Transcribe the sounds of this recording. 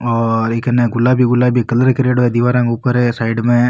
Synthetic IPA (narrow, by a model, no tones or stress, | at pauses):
ɔːɾeːkɐnẽɡʊlːaːbʱiɡʊlːaːbʱikɐləɾkɾeːɽoɦɛd̪iʋaːɾãːŋkupəɾɛsaːɪɖmẽ